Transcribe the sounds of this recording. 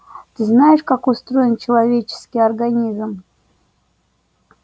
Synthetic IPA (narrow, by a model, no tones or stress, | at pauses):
t̪ɨznajɪʂkakʊst̪ɾo̞jɪnt͡ɕɪlˠɐvʲet͡ɕɪ̥skʲɪjɐrɡɐnʲizm